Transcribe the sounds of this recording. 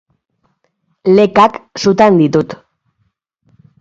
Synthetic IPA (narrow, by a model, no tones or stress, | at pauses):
le̞kaksut̪and̪it̪ut̪